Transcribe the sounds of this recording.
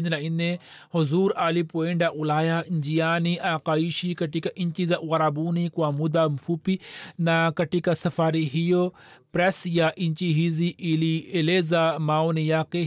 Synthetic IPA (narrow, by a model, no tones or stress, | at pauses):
nd͡ʒnainẽ | hʊzuːɾaːlipoːiɳɖaʔulaːjand͡ʒijaːniʔaːkaːiʃikɐʈikaʔiɲt͡ʃizaʔɣɐɾaːbuːnikuamud̪amfupinakɐʈikasɐfaːɾiɦijopɾesjaʔint͡ʃiɦiziʔilieleːzamaːwnijaːke